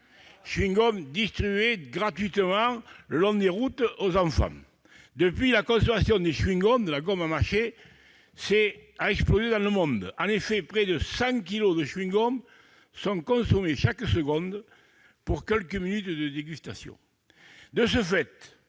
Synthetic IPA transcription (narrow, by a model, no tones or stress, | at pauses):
ʃɥiŋɡɔmd̪ist̪χyyeɡʁat̪ɥit̪əmɑ̃lɔ̃nd̪eʁut̪ozɑ̃fɑ̰̃ | d̪əpɥilakɔ̃somasjɔ̃d̪eʃɥiŋɡɔ̃nd̪əlaɡɔmamaʁʃe | sɛaɛksplozed̪ɑ̃ləmɔ̃nd̪ɑ̃nefepχɛd̪əsɑ̃k̬ilod̪əʃɥiŋɡɔm | sɔ̃kɔ̃someʃakəsəɡɔ̃d̪ | puʁkɛlkəminyt̪d̪əd̪eɡyst̪asjɔ̰̃ | d̪əs̬əfɛt̪